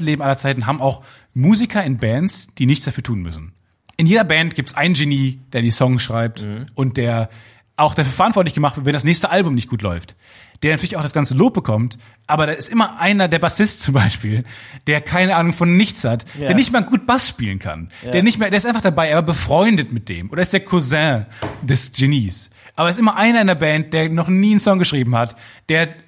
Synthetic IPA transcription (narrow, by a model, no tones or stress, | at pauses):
leːbm̩ʔalɐt͡saɪtn̩ɦaːbm̩aʊx | muːzikʰɐɪnbɛnsd̥iːnɪçtt͡ssd̥afyːɐtʰuːnmʏ̰sn̩ | ʔɪnjeːdɐbɛntɡ̥iːptsʔaɪnənʒeniːd̥eːɐdiːsɔŋsʃʁ̥aɪp̚tʔʊnt̚d̥eːɐ | ʔaʊxd̥afyːɐfɛɐʔantv̥ɔɐtlɪçɡəmaχtv̥ɪɐtvɛndasnɛːçstəʔalbʊmnɪçt̚ɡuːtlɔ̰ʏft | d̥eːɐnatʰyɐlɪçaʊxd̥asɡ̥ant͡səloːp̚b̥əkʰɔmt | ʔaːbɐɾaːɪstʔɪmɐʔaɪnɐdeːɐbasɪstt͡sʊmbaɪʃpiːld̥eːɐkʰaɪnəʔaːnʊŋfɔnːɪçt͡shatd̥eːɐnɪçtmeːɐɡuːt̚b̥asʃpiːlən̩kʰa̰nd̥eːɐnɪçtmeːɐdeːɐɪstʔaɪnfaχd̥abaɪeːavbaɐbəfʁ̥ɔʏndətmɪt̚d̥ḛːmʔoːɾɐɪstd̥eːɐkʰuzɛ̃d̥ɛsʒ̥eniːs | ʔaːbɐɪstʔɪmɐʔaɪnɐɪndeɐbɛːnt̚d̥eːɐnɔχniːnsɔŋɡəʃʁ̥iːbm̩hatd̥eːɐ